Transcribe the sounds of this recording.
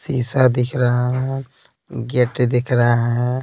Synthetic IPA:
siːsad̪ɪkʰɾaɦaɦɦɛ̃ | ɡeʈd̪ɪkʰɾɐɦaɦɛ̃

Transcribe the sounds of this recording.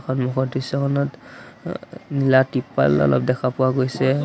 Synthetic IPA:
kʰɔnmɔkʰɔtisɔkʰɔnɔt | nilatipːa̰lɔ̰lɔ̰p̚dɛkʰapʊwaɡojsɛ

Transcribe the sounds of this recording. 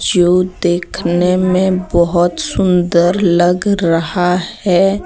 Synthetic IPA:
d͡ʒoːd̪eːkʰnemẽbəɦʊt̪sʊ̃nd̪əɾləɡɾɐɦahɛː

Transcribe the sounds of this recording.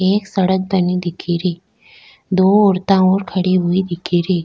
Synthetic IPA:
eːksɐɽək̚t̪ənid̪ɪkʰiɾeː | d̪oːoːɾt̪ãoːɾkʰɐɽeɦʊid̪ɪkʰiɾeː

